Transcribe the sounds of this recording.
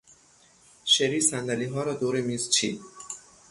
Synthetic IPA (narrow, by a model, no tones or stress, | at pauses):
ʃeɾiːsænd̪æliːɦɒːɾɒːd̪oːɾemiːzt͡ʃʰḭːd̪̚